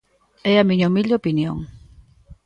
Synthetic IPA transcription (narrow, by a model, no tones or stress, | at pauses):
eamĩɲaumiʎd̪opinjo̰ŋ